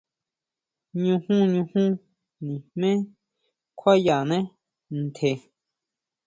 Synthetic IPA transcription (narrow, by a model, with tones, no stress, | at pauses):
ɲũ˧hũ˦ɲũ˧hũ˦ | nĩ˨mmẽ˦ | kʷʰa˦ja˨nẽ˦ | n˨t̪ʰe˨